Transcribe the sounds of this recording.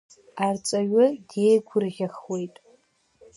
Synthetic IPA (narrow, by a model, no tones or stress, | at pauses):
art͡sʼaɥʊdje̞jɡʷʰʊrʁʲaχwe̞jtʼ